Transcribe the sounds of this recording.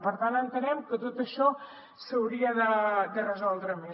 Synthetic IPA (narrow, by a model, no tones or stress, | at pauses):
pəɾt̪anənt̪ənɛmkət̪ot̪əʃɔ | səwɾiəðəd̪ərəzɔlˠd̪ɾəme